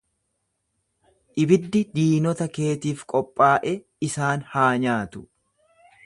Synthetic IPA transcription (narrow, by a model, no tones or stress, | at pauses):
ʔɪbɪd̪ːɪd̪iːnɔt̪ɐke̞ːt̪iːfkʼɔpʼːaːʔɛ | ɪsaːnhaːɲaːt̪ʊ̥